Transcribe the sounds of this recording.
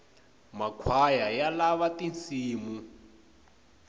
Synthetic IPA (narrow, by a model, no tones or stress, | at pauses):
makʰwajajalaβatint͡siːmu